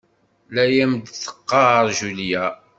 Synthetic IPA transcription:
læjæmd̪θə̥qːɑɾˤʒuljæ

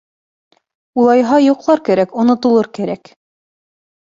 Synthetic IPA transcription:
ulˠɑjɦɑjuqlˠɑɾkæɾækŏnŏt̪ŏlˠɤɾkæɾæk

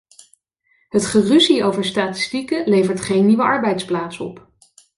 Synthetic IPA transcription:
ɦətχəryziowvəɹstaːtɪ̥stikəlejvəɹtχejnːiʋəʔɑɹbɛjtsplaːtsɔ̰p

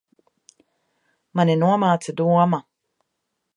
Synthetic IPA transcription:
manenuamaːt͡sɨd̪uama

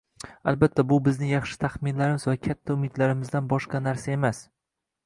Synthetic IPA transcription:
a̰lbat̪ʰːabʊbɪznɪjɑχʃɪ̥t̪ʰaχmɪnlaɾɪmɪzvakʲʰat̪ʰːaʊmɪd̪laɾɪmɪzd̪anbɒʃqɑnaɾsae̞mas

